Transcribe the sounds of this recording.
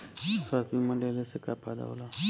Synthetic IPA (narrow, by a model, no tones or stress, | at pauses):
sasbimɐ̃lelesekapʰad̪a̰o̰la